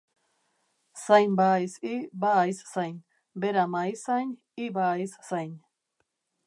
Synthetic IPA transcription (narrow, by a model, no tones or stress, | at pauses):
sajnbajsibajssajnʲ | beɾamajsan | ibajssajn